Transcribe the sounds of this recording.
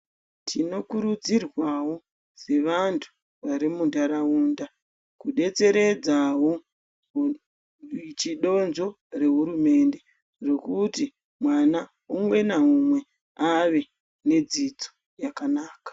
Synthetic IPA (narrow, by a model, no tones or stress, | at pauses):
tʰino̞kuɾud͡zirwawo̞ | z̥e̞ʋantʰu̥ | ʋaɾimundaɾauːnda | kuɗe̞t͡se̞ɾe̞d͡zawo̞ | t͡ʃiɗo̞nzo̞ | re̞ɦuɾume̞nde | ro̞kuti | mwana | umwe̞naumwe̞ | aʋe̞ | ne̞d͡zid͡zo̥ | jakanaːkḁ